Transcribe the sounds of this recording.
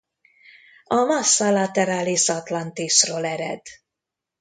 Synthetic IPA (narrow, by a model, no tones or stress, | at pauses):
ɒmɒsːɒlɒt̪ɛɾaːliʃɒt̪lɒnt̪iʃroːlɛɾɛ̰d̪